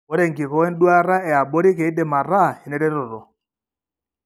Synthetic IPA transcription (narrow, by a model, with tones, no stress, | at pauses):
ɔ˦ɾɛ˦˨ŋɡi˨kɔ˨˦wɛ˦n˦dwa˦ɾa˦ɛ˨a˨bɔ˦ɾi˦ke˨˦de˨ma˨ɾa˦˨i˨nɛ˦ɾɛ˦ɾo˨ɾɔ˨